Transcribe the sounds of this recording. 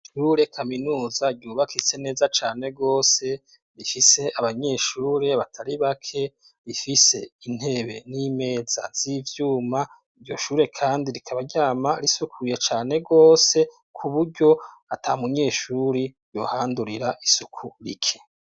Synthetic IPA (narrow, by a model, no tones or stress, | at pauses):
ʃuːɾe̞kʰaminuːzaɟuːβakit͡se̞ne̞ːzat͡ʃaːne̞ɡo̞ːse̞ | ɾifise̞aβaɲe̞ʃuːɾe̞βatʰaɾiβakʰe̞ | ɾifise̞in̥he̞βe̞̰nime̞ːz̥a̰z̥iːvjuːma | iɾɟo̞ʃuːɾe̞kʰaːndiɾikʰaβaɾɟaːmaɾisukʰuje̞t͡ʃaːne̞ɡo̞ːse̞ | kʰuβuɾɟo̞ | atʰamuɲe̞ʃuɾiɾjo̞̰ːhaːnduɾiɾaʔisukʰuɾḭkʰe̥